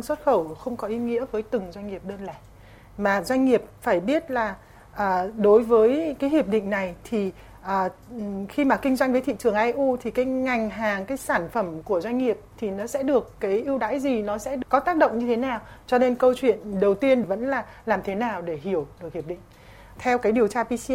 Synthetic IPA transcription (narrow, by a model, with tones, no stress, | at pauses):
ŋswə˦˥t̚xə˧˩wxə˧wŋ͡mkɔ˨˦ʔi˨˦ŋḭ˧˥əvəː˨˦jt̪ɨ˨˩ŋzwa˧jŋ̟ŋi˨˩əp̚ɗəː˧nlaː˧˩j | maː˨˩zwa˧jŋ̟ŋi˨˩əp̚faː˧˩jɓi˦˥ət̚laː˨˩ | ʔəː˨˩ɗo˨˦jvəː˨˦jkaː˨˦jhi˨˩əp̚ɗḭ˧˨ŋ̟na˨˩jt̪ʰi˨˩ | ʔəː˨˩ | xi˧maː˨˩kï˧ŋ̟zwa˧jŋ̟vəː˨˦t̪ʰḭ˧˨t͡ɕɨ˨˧˩əŋʔaː˧jʔu˧t̪ʰi˨˩kaː˨˦jŋa˨˩jŋ̟ɦaː˨˩ŋkaː˨˦jsaː˧˩nfə˧˩mku˧˩əzwa˧ŋ̟ŋi˨˩əp̚t̪ʰi˨˩nɔ˨˦sɛ̰˧˥ɗɨ˨˩əkːaː˨˦jʔi˧əwɗa̰ː˧˥jzi˨˩nɔ˨˦sɛ̰˧˥kɔ˨˦t̪aː˦˥k̚ɗə̰˧˨wŋ͡mɲɨ˧e˨˦naː˨˩wt͡ɕɔ˧ne˧nkə˧wt͡ɕwḭ˧˨ənɗə˨˩wt̪i˧ənvə̰˧˥nlaː˨˩laː˨˩mt̪ʰe˨˦naː˨˩wɗe˧˩hi˧˩əwɗɨ˨˩k̚hi˨˩p̚ɗḭ˧˨ŋ̟ | t̪ʰɛ˧wkaː˨˦jɗi˨˩əwt͡ɕaː˧pi˧si˧